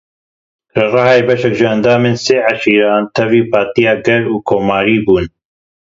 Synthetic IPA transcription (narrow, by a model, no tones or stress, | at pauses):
ɾɨrɑhɑːebɛʃɛkʒɨɛnd̪aːmenseːʕaʃiːɾɑːnt̪ʰɛviːpɑːt̪ijɑːɡɛɾuːkʰoːmɑːɾiːbuːn